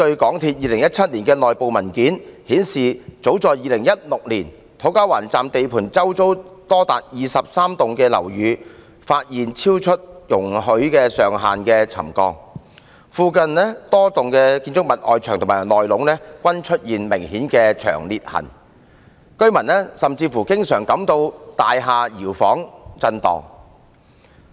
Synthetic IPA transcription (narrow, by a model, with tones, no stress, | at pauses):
t̪ɵ˧ɥkɔː˨˥ŋt̪ʰiː˧t̚jiː˧lɪ˨˩ŋjɐ˥t̚t͡sʰɐ˥t̚liː˨˩nkɛː˧nɔː˨jpo˨wmɐ˨˩nkiː˨˥nhiː˨˥nsiː˨t͡so˨˥wt͡sɔː˨jjiː˨˧lɪ˨˩ŋjɐ˥t̚lʊ˨k̚liː˨˩n | t̪ʰo˨˥wkaː˥wa̰ː˨˩nt͡saː˨mt̪e˨jpʰuː˨˩nt͡sɐ˥wt͡so˥wt̪ɔː˥t̪a̰ː˨t̚jiː˨sɐ˨p̚saː˥mt̪ʊ˨ŋkɛː˧lɐ̰˨˩wjyː˨˧ | faː˧t̚jiː˨˩nt͡sʰiː˥wt͡ʃʰɵ˥t̚jʊ˨˩ŋɦɵ˨˥ɥkɛː˧sœː˨ŋɦaː˨nkɛ˧t͡sʰɐ̰˨˩mkɔ̰ː˧ŋ | fuː˨˧kɐ˧nlɛ˥t̪ɔː˥t̪ʊ˨ŋkɛː˧kiː˧nt͡sʊ˥k̚mɐ˨t̚ʔɔː˨jt͡ʃʰœː˨˩ŋt̪ʊ˨˩maː˨˩jlɔː˨jlʊ˨˥ŋnɛː˥kʷwɐ˥nt͡ʃʰɵ˥t̚jiː˨nmɪ˨˩ŋhiː˨˥nkɛː˧t͡ʃʰœ̰ː˨˩ŋliː˨t̚hɐ̰˨˩n | kɵ˥ɥmɐ˨˩nɛ˥sɐ˨mt͡siː˧fuː˨˩kɪ˥ŋsœː˨˩ŋkɐ˨˥mt̪o˧wt̪aː˨jɦaː˨jiː˨˩wfɔ̰ː˨˥ŋt͡sɐ˧nt̪ɔ̰ː˨˩ŋ